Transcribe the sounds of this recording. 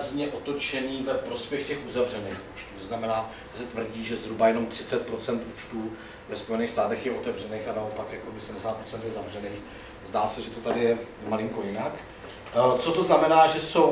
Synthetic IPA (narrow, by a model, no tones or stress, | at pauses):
zɲɛʔo̞t̪o̞t͡ʃɛɲiːvɛpɾo̞spjɛxcɛxuzavrɛneːxʔuːt͡ʃt̪uːt̪oznamɛnaː | ʒɛsɛt̪vr̩ɟiːʒɛzɦɾubajɛno̞mt̪r̥ɪt͡sɛt̪̚pɾo̞t͡sɛnt̪ʔuːt͡ʃt̪uː | vɛspo̞jɛniːxst̪aːt̪ɛxjɛʔo̞t̪ɛvr̝ɛneːxanao̞pakjakobɪsɛmdɛsaːt̪pɾot͡sɛnt̪jɛzavrɛneːx | zdaːsɛʒɛt̪o̞t̪adɪjɛmalɪŋko̞jɪnak | t͡so̞t̪o̞znamɛnaːʒɛso̞w